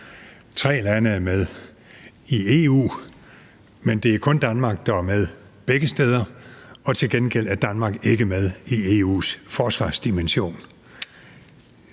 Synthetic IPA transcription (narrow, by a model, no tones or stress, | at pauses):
t͡sʰʁɛ̰ːlænəæɐmeð̞ˠ | ie̝ṵː | mend̥e̝æɐkʰɔ̽nd̥ænmɑ̈ɡ̥̚d̥ɑ̈æɐmeð̞ˠb̥eɡ̥əsd̥eːð̞ˠɐɒ̽t͡sʰe̝lɡ̥enɡ̥el̰æd̥ænmɑ̈ːɡ̥e̝ɡ̥əmeð̞ˠie̝ːṵːsfɒːsʋɑ̰̈ːsd̥imenɕo̝̰ːn